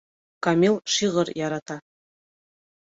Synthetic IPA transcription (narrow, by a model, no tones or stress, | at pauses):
kɑmʲilˠʃiʁɤɾjɑɾɑt̪ɑ